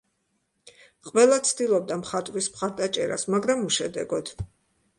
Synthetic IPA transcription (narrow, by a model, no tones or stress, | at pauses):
qʼwɛlˠat̪sʰd̪ilˠɔb̚d̪amχat̪ʼɾismχaɾd̪at͡ʃʼɛɾa̰smaɡɾamuʃɛd̪ɛ̰ɡɔd̪̥